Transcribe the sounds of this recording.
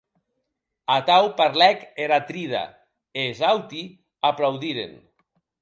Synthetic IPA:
at̪awpaɾlɛkeɾat̪ɾiða̰ | ezawt̪i | aplawðiɾḛn

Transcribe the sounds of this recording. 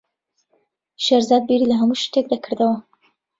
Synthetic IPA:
ʃeɾzad̪̚biɾilɐɦɐmuʃt̪ek̚d̪akʰɨɾd̪ɐwɐ

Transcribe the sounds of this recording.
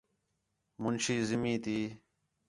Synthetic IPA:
mʊnɕiːzɪmĩːt̪iː

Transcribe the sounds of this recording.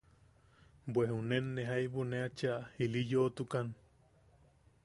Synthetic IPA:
bwehunenːeɦajβuneat͡ʃailijot̪ukan

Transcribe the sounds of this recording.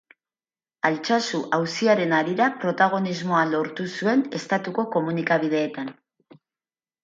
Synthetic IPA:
alt͡ʃasuʔawsiaɾe̞naɾiɾapɾo̞t̪aɣ̞o̞nizmo̞alo̞ɾt̪usue̞ne̞st̪at̪uko̞ko̞munikaβ̞ið̞e̞ːt̪an

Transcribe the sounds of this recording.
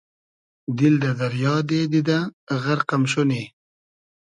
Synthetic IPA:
d̪ild̪əd̪ɐɾjɑːd̪ed̪id̪aɣaɾqamʃuni

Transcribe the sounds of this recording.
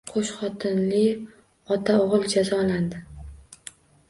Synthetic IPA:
qʰoʃχɒt̪ʰɪnlɪ | ɒt̪ʰaoʁɨlˠd͡ʒazɒland̪ɪ

